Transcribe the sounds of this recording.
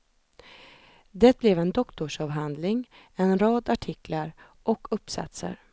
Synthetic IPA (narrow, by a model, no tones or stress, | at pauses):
d̪ɛt̪̚blɛvɛnd̪ɔkt̪ʊʂɑːvɦand̪lɪŋ | ɛnɾɑːd̪aʈʰɪklaɾ | ʔɔkʰɵpːsa̰t̪sə̰ɾ